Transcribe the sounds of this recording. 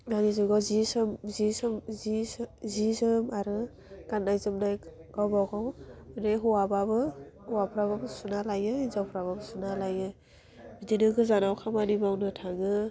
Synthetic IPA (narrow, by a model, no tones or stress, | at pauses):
ɡanizuɡazisɯmzisɯmzizisɯmaɾɯ | ɡ̥anajzɯmnajɡ̥awbawɡawneɦuwababɯuwapʰɾababsunalajɯizawpʰɾaβabsunalajɯ | bidinɯɡɯzanawkʰamanibawnɯtʰaŋɯ